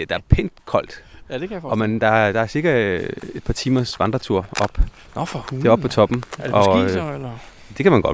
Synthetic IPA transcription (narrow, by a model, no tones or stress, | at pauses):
d̥ɑ̈æɐpʰen̰d̥kʰɒ̽l̰d̥dɒ̽mænd̥ɑ̈d̥ɑ̈æɐsiɐɡ̥ɐe̝d̥̚pʰɑ̈t͡sʰiːmɐsʋɑ̈nd̥ʁɐt͡sʰuɐ̰ɒ̽b̥ | d̥e̝ɒb̥̚pʰːɒ̽t͡sʰɒ̽b̥m̩dɒ̽lɐ | d̥e̝kʰæmænɡ̥ɒ̽d̥